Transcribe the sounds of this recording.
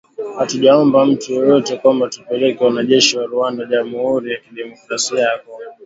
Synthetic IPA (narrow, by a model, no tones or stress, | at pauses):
hatuʄaɔmbam̩tujɔjɔtɛkwambatupɛlɛkɛwanaʄɛʃiwaɾuandaʄamuhuɾijakiɗɛmɔkɾasiaakɔ